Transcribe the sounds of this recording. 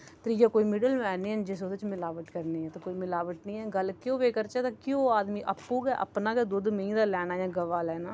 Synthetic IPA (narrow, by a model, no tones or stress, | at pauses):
t̪ɾijaːkoːiːmɪɖəlmɛːniːɛnd͡ʒɪsod̪ət͡ʃmɪlaːʋəʈkəɾniːɛ̃ːt̪akoːiːmɪlaːʋəʈ̚nĩːɛːɡəlkjõːʋeːkəɾt͡ʃɛːt̪akjõːaːd̪mĩːʔəpːuːkɛːʔə̰pnaːkɛd̪ʊd̪mə̃ĩːd̪aːlɛːnaːjãːɡəʋaːlɛːnaː